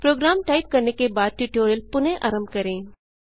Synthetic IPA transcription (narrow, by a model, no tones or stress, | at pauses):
pɾoːɡɾaːmʈaːɪp̚kɐɾnekebaːd̪̚ʈjuːʈoːɾjəlpʊnẽʔɐɾəmkɐɾẽː